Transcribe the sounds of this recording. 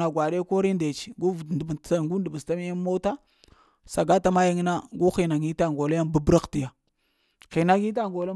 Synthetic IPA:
a˨ɡwa˨ɗe˦ko˦ɾi˦nde˨t͡ʃi̥˨ɡu˦vdba˦˨ŋɡu˦n˦də˨bə˨sta˦m˦ja˦mo˦ta˦ | sa˨ɡa˦ta˦ma˦ji˦ŋ˦na˦ɡu˦xi˨na˨ŋi˦ta˦ŋɡo˨la˦ja˦nba˦bɾa˦kti˨ja˨ | xi˨na˦ɡi˦t̬a˦ŋɡo˨la˦

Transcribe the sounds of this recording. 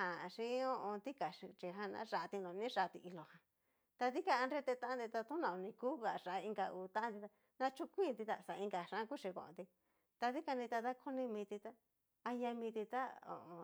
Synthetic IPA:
hã˧˨˧ʂĩ˦õ˧ʔõ˧t̪i˦ka˨ʂi˧t͡ʃi˧ɦã˧nã̰˦ʂa˧ʔt̪i˧nõ˨˧nĩ˦ʂa˧t̪i˧ʔi˧lo˨hã˨ | t̪a˧ði˦ka˧a˧nɾe˦t̪e˧t̪ã˦ã˦d̪i˧t̪a˧t̪ũ˦nã˧˨õ˧nĩ˧ku˦ɣa˨˧ʂa˨˧i˧ŋɡa˧uː˧˨t̪ã˦ʔa˦nd̪i˧t̪a˧ | nã˦t͡ʃu˦kʷĩ˦˧t̪i˧t̪a˧˨sa˨˧ĩ˧ŋɡa˨ʂã˦˧ku˦ʂi˧kõ̰˧˨õ̰˨t̪i˧ | t̪a˧ði˦ka˧nd̪ĩ˧t̪a˧t̪a˦kʰo˦nĩ˧mĩ˧t̪i˧t̪a˦ | a˧ja˧mĩ˧t̪i˧t̪a˦õ̰˨ʔõ˧

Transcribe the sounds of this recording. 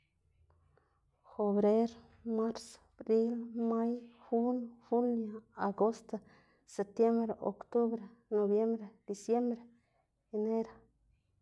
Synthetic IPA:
xo˨bɾe˦ɾ | ma˦ɾs | bɾi˦lma˦jxu˦nxu˦lja˨a˨ɡo˦st̪a | se˨p̚t̪je˦mbɾe˨ʔo̰˨kt̪u˦bɾe˨no˨bje˦mbɾe˨d̪̥i˨sje˦mbɾe˨ | e˨ne˦ɾa˨

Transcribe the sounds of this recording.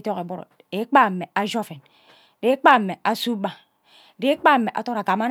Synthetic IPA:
to˦ke˨bo˦ɾo̰˨ | e˨˦k͡pa˦˨mːe˨a˦d͡ʒo˦fe˨n˨ | de˦k͡pa˦˨mːe˨a˨su˦ba˨ | de˨˦k͡pa˦me˨ʔa̰˨to˦ɾa˨ɡa˨ma˦n

